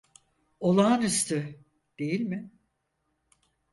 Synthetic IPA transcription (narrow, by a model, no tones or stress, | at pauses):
olˠaːnɯst̪ʰɯ | d̪̥e̞jilʲmɪ